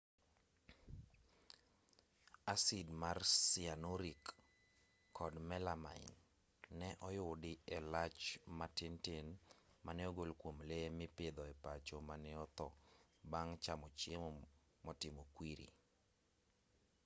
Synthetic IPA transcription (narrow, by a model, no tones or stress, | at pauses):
asɪdmarsianoɾikʰː | ɔdmɛlama̰ɪ̰n | nɛʔɔjʊdɪelat͡ʃmatɪntɪnmanɛoɡolkwomlemɪpɪd̪ɔepat͡ʃomanɛɔt̪ɔbaŋt͡ʃamɔt͡ʃemɔ | mɔtɪmokwiɾḭ